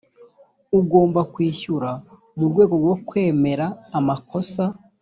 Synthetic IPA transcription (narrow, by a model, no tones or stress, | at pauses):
uɡo̞ːmbakwiːçuɾa | muɾɡwe̞ːɡo̞ɾɡwo̞kwe̞ːme̞ɾaːmako̞sa